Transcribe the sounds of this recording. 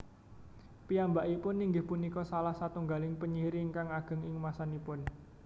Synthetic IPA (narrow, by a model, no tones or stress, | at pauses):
piambaʔipʊnːiŋɡɪhpunikɔsalahsat̪uŋɡalɪŋpəɲiɾiŋkaŋaɡ̥ə̤ŋɪŋmasanipʊn